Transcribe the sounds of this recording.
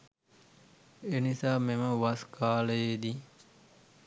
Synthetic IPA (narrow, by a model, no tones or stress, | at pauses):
enisaːmeməʋaskaːləjed̪i